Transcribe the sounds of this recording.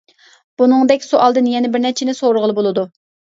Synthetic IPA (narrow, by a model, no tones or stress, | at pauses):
b̥unɨŋd̪ɛkʲsuʔɑlˠd̪ɨnjɛnɪbɪɾnɛt͡ʃʰɪnɪsoɾʁəlˠɨbolˠɨd̪u